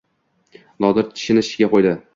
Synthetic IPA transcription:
lˠɒd̪ɪɾt̪ʰɪ̥ʃɪnɪʃɪɪɡʲaqojd̪ɪ

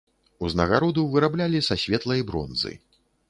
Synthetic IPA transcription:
uznɐɣaɾɔd̪ɐwvɨɾablʲalʲisasʲvʲɛt̪lˠɐjbɾɔ̰nzɨ̰

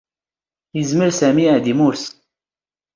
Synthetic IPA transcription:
jəzməɾsæmiʕd̪imʊɾs

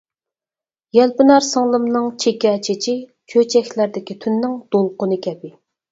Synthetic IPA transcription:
jɛlpɪnɑɾsəŋlˠɨmnɨŋt͡ʃʰekʲɛt͡ʃʰet͡ʃʰi | t͡ʃʰøt͡ʃʰɛkʲlæɾd̪ɪkʲit̪ʰynːɪŋd̪̥olˠqʊnɨkʲʰɛpɪ

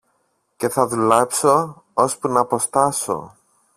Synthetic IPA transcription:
ce̞θɐðulɐpso̞ | ospunɐpo̞st̪ɐso̞̰

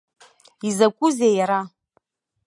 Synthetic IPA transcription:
izakʷʼuzejaɾa

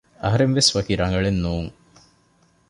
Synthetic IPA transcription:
ɐɦɐɾɐmʋesʋɐkiɾɐŋɡɐɭenːuːŋ

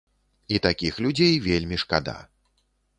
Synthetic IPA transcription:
it̪akʲixlʲud͡zʲejvʲelʲmʲiʂkad̪a̰

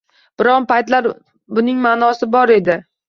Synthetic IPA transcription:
b̥ɪɾɒnpajt̪laɾ | bʊnɪŋmaːnɒsɪbɒɾe̞d̪ɪ

